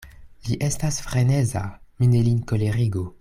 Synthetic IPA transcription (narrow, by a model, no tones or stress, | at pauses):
liʔestasfʁenezaminelinkoleʁiɡo